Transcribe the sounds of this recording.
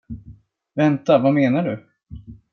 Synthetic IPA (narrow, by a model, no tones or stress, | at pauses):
vɛnt̪avameːnaɖɵ